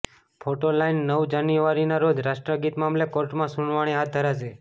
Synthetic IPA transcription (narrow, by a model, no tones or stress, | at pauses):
fʰoʈolainːəʋd͡ʒanjuʋaɾinaɾod͡ʒɾaʃʈɾəɡit̪mamlekoɾʈmãsuɳʋaɽ̃iɦat̪̚d̪ʱəɾad͡ʒʰe